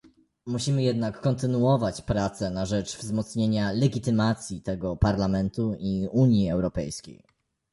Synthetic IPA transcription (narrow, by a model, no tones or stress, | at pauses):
muɕimɘjɛd̪nakːɔnt̪ɘnuɔvat͡ɕpɾat̪sɛnaʐɛt͡ʂvzmɔt̪sɲeɲalɛɡʲit̪ɘmat̪sʲjit̪ɛɡɔpaɾlamɛnt̪uiuɲjiɛwɾɔpɛ̰jskʲḛj